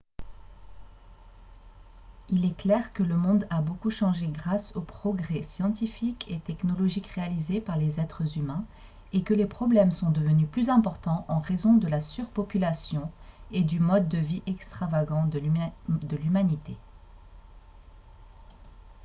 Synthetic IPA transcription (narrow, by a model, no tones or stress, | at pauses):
ilɛklɛʁkələmɔ̃d̪abokuʃɑ̃ʒeɡʁasopχɔɡʁɛsjɑ̃t̪ifikʰet̪ɛknɔlɔʒikʁealizepaʁlezɛt̪χəzymɛ̃ | ekəlepχɔblɛmsɔ̃d̪əvənyplyzɛ̃pɔʁt̪ɑ̃ʔɑ̃ʁezɔ̃d̪əlasyʁpɔpylasjɔ̃ed̪ymɔd̪ːəviʔɛkst̪χavaɡɑ̃d̪əlymanit̪e